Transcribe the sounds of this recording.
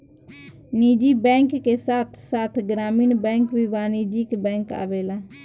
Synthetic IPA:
niːd͡ʒiːbɛ̃ːŋkːeːsaːt̪ʰsaːt̪ʰɡɾaːmiːnbɛ̃ːŋkʋiːʋaːniːd͡ʒiːkbɛ̃ːŋka̰ːʋeːlaː

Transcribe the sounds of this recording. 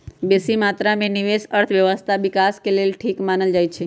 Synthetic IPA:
besimat̪ɾamẽniʋesəɾt̪ʰʋjəʋəst̪ʰaʋikaskelelʈʰikmanəld͡ʒajt͡ʃʰe

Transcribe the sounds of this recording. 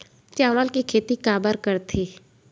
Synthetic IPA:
t͡ʃaːlaːlkikʰeːt̪ikaːbəɾkəɾt̪ʰiː

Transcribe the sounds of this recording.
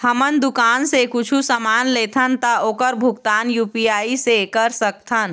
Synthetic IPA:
həmənd̪ʊkaːnsekʊt͡ʃʰusəmaːnleːt̪ʰənt̪aoːkəɾbʱʊɡt̪aːnjuːpijaːisekəɾsək̚t̪ʰən

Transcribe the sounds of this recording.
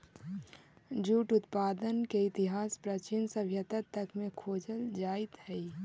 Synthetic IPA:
d͡ʒuːʈʊt̪paːd̪ənkeɪt̪ɪɦaːspɾət͡ʃɪnsəbʱjət̪ət̪əkmẽkʰoːd͡ʒəld͡ʒaːɪt̪hɛi

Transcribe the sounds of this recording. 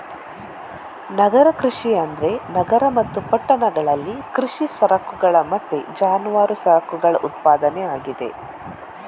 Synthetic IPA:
nɐɡɐɾɐkɾiʂiɐnd̪ɾe̞nɐɡɐɾɐmɐt̪ːupɐʈːɐnɐɡɐɭɐlːikɾiʂisɐɾɐkuɡɐɭɐmɐʈ̪ːed͡ʒaːnuʋaːɾusɐɾɐkuɡɐɭɐʔut̪̚paːd̪ɐneaːɡid̪e̞̰

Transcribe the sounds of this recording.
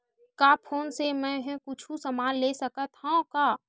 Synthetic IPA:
kaːpʰoːnsemɛ̃ɦɛ̃kʊt͡ʃʰusɐmaːnleːsəkət̪hãkaː

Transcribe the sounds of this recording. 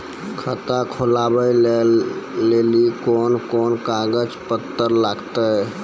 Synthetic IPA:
kʰət̪akʰolabəjleː | elikonkonkaɡəd͡ʒpət̪ːəɾlaɡt̪ə

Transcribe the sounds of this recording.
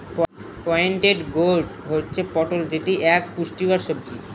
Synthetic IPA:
p | pɔjɳʈeɖɡoɖɦotːɕʰepɔʈold͡ʑeʈiʔɛk̚puʃʈibaɾʃob̚d͡ʑi

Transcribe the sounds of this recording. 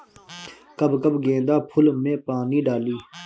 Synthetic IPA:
kəbkəbʱɡẽːnd̪aːpʰʊlmẽːpaːniːɖaːliː

